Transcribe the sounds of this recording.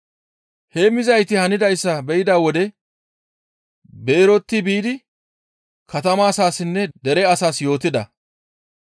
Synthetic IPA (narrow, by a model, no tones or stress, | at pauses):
heːmɪzɐjt̪ɪhɐnɪd̪ɐjsːɐbɛjɪd̪aːwɔd̪ɛ | be̞ːɾɔt̪ːɪbiːd̪ɪ | kʰɐt̪ɐmaːsaːsɪnːɛd̪ɛɾɛɐsaːsjo̞ːt̪ɪd̪ɐ